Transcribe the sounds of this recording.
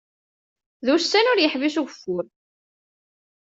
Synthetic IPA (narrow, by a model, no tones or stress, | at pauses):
ðusːænʊɾjəħvisuʝfːʊɾ